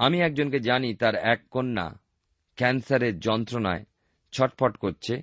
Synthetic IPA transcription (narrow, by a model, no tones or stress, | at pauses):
amiɛk̚d͡ʑonked͡ʑanit̪aɾɛkːonːa̰ | kɛnsaɾeɾd͡ʑɔnt̪ɾona̰e | t͡ɕʰɔʈ̚pʰɔʈkoɾt͡ɕʰe